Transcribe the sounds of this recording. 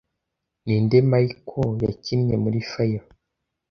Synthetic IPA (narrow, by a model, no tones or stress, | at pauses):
nindemaikʰojacimɲemuɾifaja